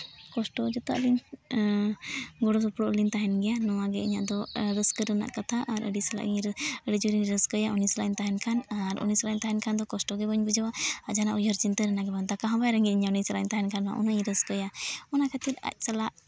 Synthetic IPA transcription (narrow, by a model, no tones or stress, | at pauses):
kɔsʈɔd͡ʒɔt̪a̰ʔlin | ɡɔɽɔsɔpɽɔʔlint̪aɦɛnɡɛjanɔwaɡɛiɲa̰ʔd̪ɔɾəskəɾəna̰ʔkat̪ʰaʔaɾʔə̰ɖisala̰ʔɾəɽid͡ʒuɾinɾəskəjaʔɔnisalaint̪aɦɛnkʰanaɾɔ̰nislajnt̪aɦɛnkʰand̪ɔkɔsʈɔɡɛbəɲbud͡ʒawaad͡ʒanaʔujɔɾt͡ʃint̪əɾɛnaɡɛbant̪akaɦɔ̃bajɾəŋɡit̪̚iɲanijsəlaint̪aɦɛnkʰana̰ʔṵnəɲɾəskəjaɔnakʰat̪it̪a̰c̚ˀsalaʔ